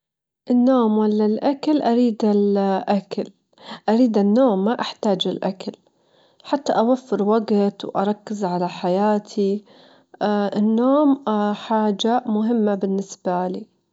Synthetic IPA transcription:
ʔɪnːoːmwalːalʔakalʔaɾiːd̪ɪlʔakal | ʔaɾiːd̪ɪnːoːmːaʔaħt̪aːd͡ʒɪlʔa̰kal | ħat̪ːaʔawafːɪɾwaɡt̪wʔɑ̰ɾˤɑkːɪzʕalaħajaːt̪ʰi | ʔɪnːoːmħaːd͡ʒamʊɦɪmːabɪnːɪsbaliː

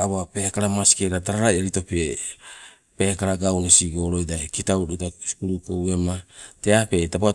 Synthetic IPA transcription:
awape̞kaɾamasi̥keɾadaɾaɾajaɾito̞pe | pekaɾaɡawnisiɡoɾo̞jdaekitawdutasi̥kuɾukowe̞mate̞ape̞tapoa

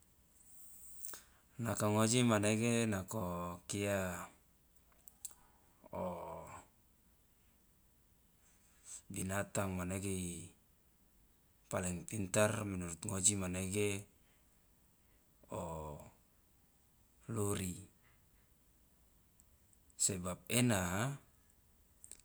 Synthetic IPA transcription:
nakaŋod͡ʒimaneɡenakokia | o | binat̪aŋmaneɡei | paliŋpint̪arminuɾut̪̚ŋod͡ʒimaneɡe | o | loɾi | sebap̚ena

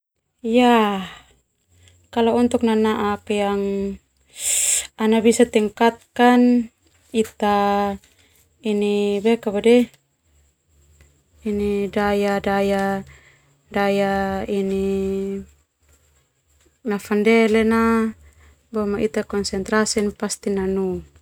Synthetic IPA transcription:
ja | kalaɔnt̪ɔk̚nanaʔakjaŋ | anabisat̪iŋkat̪̚kan | it̪a | inibɛkabadɛ | inidajadaja | dajaini | nafandɛlɛna | bɔmaʔit̪akɔnsɛnt̪ɾasinpast̪inanu

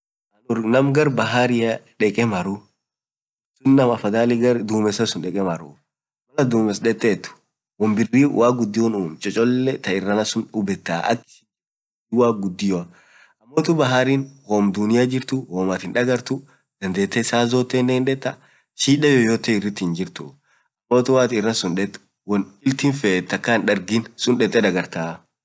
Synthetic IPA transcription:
ʔɐnʊɾnɐmɡɐɾbɐɦaɾɪɐᶑɛkʼɛmɐɾʊ | sʊnːɐmɐfɐd̪aːlɪɡɐɾd̪uːmɛsɐsʊnᶑɛkʼɛmɐɾʊ̰ | mɐlɐd̪uːmɛsᶑɛt̪ːeːt̪ːʊ̥ | wɔmbɪriwaːɡʊd̪ːɪɔnuːmt͡ʃʼɔt͡ʃʼɔlːɛt̪ɐɪrːɐnɐsʊnʊbɛt̪ːaːʔɐ̰kː | waːɡʊd̪ːɪjɔ | ʔɐmːoːt̪ʊbɐɦaːɾiːnhoːmd̪ʊnɪjad͡ʒɪɾt̪ʊwoːmaːt̪ɪnᶑɐɡɐɾt̪ʊ | d̪̥ɐnd̪eːt̪ːɛɪsaːzoːt̪ːeːnːɛhɪnᶑɛt̪ːɐ | ʃiːᶑɐjojoːt̪ɛɪrːɪt̪ːɪnd͡ʒɪɾt̪ʊ | ʔɐmːo̞ːt̪ʊwaːt̪ɪrːɐsʊnᶑɛt̪ːʊ̥ | wɔnɪlt̪ɪnfeːt̪ːɐkːanᶑɐɾɡɪnsʊnᶑɛt̪ʼːɛᶑ̪ɐɡɐɾt̪aː

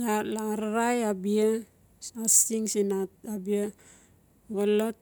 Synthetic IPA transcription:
lalaɾaɾajabia | asiŋsinatabia | βalot̚

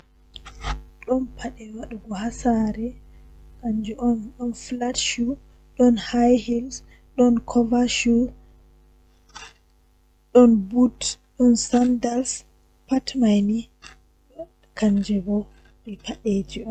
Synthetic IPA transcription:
ɗɔnpʰaɗɛwaɗuɡɔhasaɾɛ | kaɲd͡ʒɛʔɔnɗɔnflatʃu | ɗɔnhajhils | ɗɔnkʰɔvaʃu | ɗɔnbutɗɔnsandaɾs | patmajni | kʰaɲd͡ʒɛbɔ | ɾɛkaɗed͡ʒiɔm

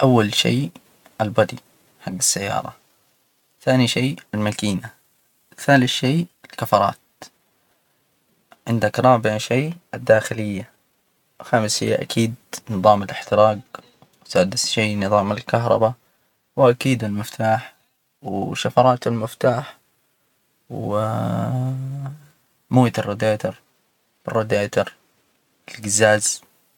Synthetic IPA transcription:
ʔawːalʃḛː | ʔalbad̪ˤi | ħaɡːasːajːɑ̰ːɾˤɑ | θaːniʃeːɪlmakiːna | θaːlɪʃeːɪlkafɑɾˤɑ̰ːt̪̚ | ʕɪnd̪akɾˤɑːbɪʕʃeːʔɪd̪ːaːxɪlɪjːa | xaːmɪshḭːaʔakʰiːd̪̚nɨðˤɑːmɪlɪħt̪ɪɾɑːɡ | wsaːd̪ɪsʃeːnɨðˤɑːmɪlkaɦɾˤɑ̰ba | wʔakiːd̪ɪlmɪft̪ʰaːħ | wʃːafɑɾˤɑːt̪ɪlmɪft̪aːħ | w | moːt̪ɑrˤːod̪aːt̪ɑɾˤ | b̥ɪrːod̪aːt̪ɑɾˤ | ɪlɡɪzaːz

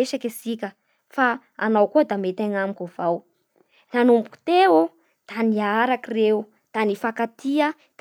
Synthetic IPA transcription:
eʃakʲesikʲə | fa | anawkuəd̪amet̪aŋamikov̥aw | nanumpu̥t̪eo | d̪̥aniaɾakirew | d̪̥anifakat̪iə | d̪̥

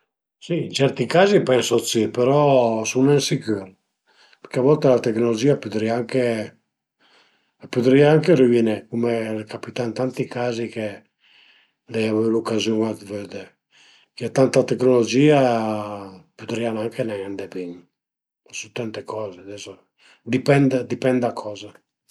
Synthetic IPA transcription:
siːnt͡ʃɛɾt̪ikaːzipɛnsosipeɾɔsunɛnsikyɾ | peɾkeavɔlt̪elat̪eknolod͡ʒiːapyd̪ɾiaaŋke | apud̪ɾiaaŋkeɾivjinekumelekapit̪aint̪ant̪ikaːzike | d̪ɛavelukazjuŋad̪vød̪e | kɛt̪ant̪at̪eknolod͡ʒiːa | pud̪ɾianaŋkenɛand̪epiɲ | asut̪ant̪ekʰɔːzead̪ɛso | d̪ipɛnd̪d̪ipɛnd̪akʰɔːza

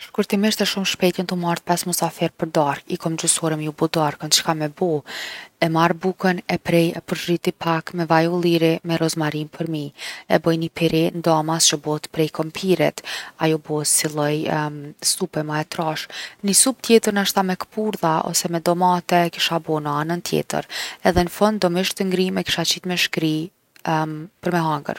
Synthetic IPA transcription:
ʃkuɾt̪imiʃt̪ɛʃumʃpɛt̪jənt̪umaɾt̚pɛsmɔsafɛɾpəɾd̪aɾkikɔmd͡ʒusɔɾəmjubɔd̪aɾkənt͡ʃə̥kamːɛbɔɛmaɾbukənɛpɾɛjɛpəɾʒrit̪ipʰakmɛvajulˠiɾimɛɾɔzmaɾinpʰəɾmiɛbɔjnipʰiɾind̪amast͡ʃəbɔt̪pɾɛjkɔmpʰiɾɛt̪ajɔbɔt̪silˠɔjst̪upɛmaɛt̪ɾaʃnisup̚t̪jɛt̪əɾnaʃt̪amɛkə̥puɾðaɔ̰sɛmɛd̪ɔmat̪ɛki̥ʃabɔnəanənt̪jɛ̰t̪ə̰ɾɛðɛnəfɔnd̪d̪ɔmiʃt̪əŋɡɾimɛki̥ʃat͡ɕit̪mɛʃkɾi | pəɾmɛɦaŋɡə̰ɾ

